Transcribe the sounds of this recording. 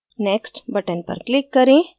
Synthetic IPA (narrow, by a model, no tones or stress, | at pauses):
neksʈbɐʈenpɐ̰ɾklikːɐɾĩ